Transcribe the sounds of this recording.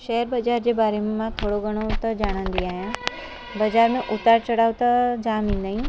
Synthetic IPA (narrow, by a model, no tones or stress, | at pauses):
ʃɛɦəɾbɐd͡ʒaːɾd͡ʑeːbaːɾemẽmãːt̪ʰoːɽoɡɐɽ̃ot̪ɐd͡ʒaːɽ̃ə̃ːnd̪iaːjãː | bɐd͡ʑaːɾmẽʔʊt̪ːaːɾt͡ʃɐɽaːut̪ɐd͡ʒaːmĩːnd̪aĩ